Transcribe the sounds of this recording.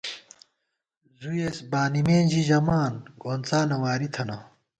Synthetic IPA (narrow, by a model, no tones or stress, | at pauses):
zujesbaːnimẽːnʑiʑɐmaːnɡoːnt͡saːnɐwaːɾit̪ʰɐnɐ